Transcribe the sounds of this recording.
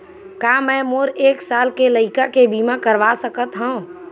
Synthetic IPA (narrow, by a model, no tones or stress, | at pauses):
kamɛ̃moːɾeːksaːlkeləɪkakebʱiːmakəɾʋasəkət̪ɦə̃